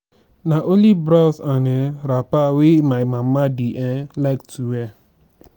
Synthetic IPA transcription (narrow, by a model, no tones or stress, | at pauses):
naʔolibɾawsaneɾapawemajmam̩madiʔɛlaɪktuwɛ